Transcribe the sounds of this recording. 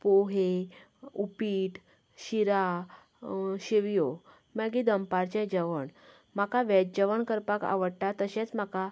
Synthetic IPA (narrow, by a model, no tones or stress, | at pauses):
poɦe | upiːʈ | ɕiɾa | ɕiʋjo | məɡid̪əmpaɾt͡ɕɛ̃d͡ʑəʋəɳ | m̤akaʋɛd͡ʑəʋəɳkəɾpaka̰ʋəɽʈat̪əɕɛ̃t͡sm̤aka